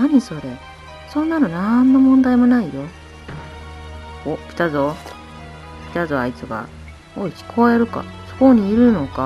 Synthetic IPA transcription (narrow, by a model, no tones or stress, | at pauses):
naɲ̟iso̞ɾe̞ | sõ̞nːano̞nanːo̞mõ̞nd̪aimo̞naijo̞ | ɯ̃ | opʲi̥t̪azo̞ | pʲi̥t̪azoait͡sɨɡa̰ | oiçi̥kʰoβaeɾɯ̟ka̰so̥koɲ̟iːɾɯ̟no̞ka